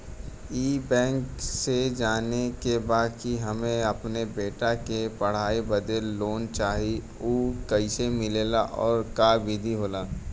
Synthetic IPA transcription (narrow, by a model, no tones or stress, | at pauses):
iːbɛ̃ːŋksed͡ʒaːnekebaːd̪kiɦɐmẽɐpnebeːʈakepɐɽ̤aːibɐd̪elloːnt͡ʃaːɦi | uːkɐɪsemɪleːlaʔɔːɾkaːbɪd̪ʱiɦoːlaː